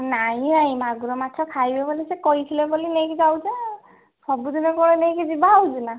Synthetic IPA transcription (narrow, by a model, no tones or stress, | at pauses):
naɦĩajmaɡuɾɔmatʰɔkʰajbɛbɔlisɛkɔjt̪ʰilɛbɔlinejkizawze | sɔbud̪inɔkɔɹɛnejkizibaɦwd͡ʒuna